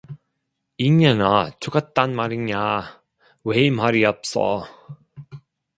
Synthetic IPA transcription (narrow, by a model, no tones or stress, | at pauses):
iɲanat͡ɕʰoɡat̚t͈anmaɾiɲa | wemaɾiʌp̚s͈ʌ̰